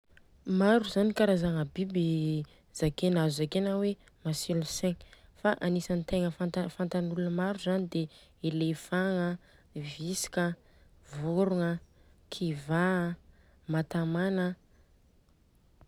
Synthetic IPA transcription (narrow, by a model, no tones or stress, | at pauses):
maɾuzanikaɾazaŋəbibi | z̥akenazuzakenawe | masilusẽŋfaʔanisanit̪eŋəfat̪afant̪anulunəmaɾuzanid̪eelefaŋə | visi̥kʲə | voɾuŋə | kʰiva | mat̪amanə